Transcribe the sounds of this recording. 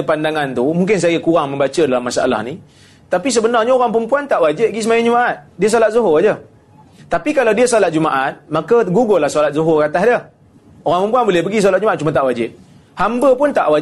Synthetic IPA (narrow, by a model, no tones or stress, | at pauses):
əpandaŋant̪umuŋkɪns̬ajəkuɾaŋmə̃mbat͡ʃədalamːasaʔa̰la̰hni | t̪apis̬əbənarɲaoɾaŋpəmpuant̪aʔwad͡ʒɪt̪̚ɡis̬əmajad͡ʒumaʔat̪̚diəs̬olat̪̚zuɦoad͡ʒə | t̪apikalawdiəsolat̪̚d͡ʒumaʔat̪̚makaɡuɡolahsolat̪̚zuɦokat̪ahdə | oɾaŋpəmpuanbolɛhbəɡis̬olat̪̚d͡ʒumat̪̚t͡ʃumat̪aʔwad͡ʒɪt̪̚ | hambəpʊnt̪aʔwa